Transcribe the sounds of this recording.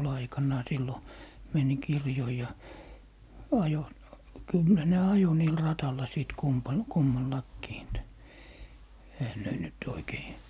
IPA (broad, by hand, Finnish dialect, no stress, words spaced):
ol ɑikɑnːɑː silːo meni kirjoi jɑ ɑjo kylːæ ne ɑjo niːl rɑtɑlːɑ siˑt kumpɑn kumːɑlːɑkːiː et ehæ ne nyt oikei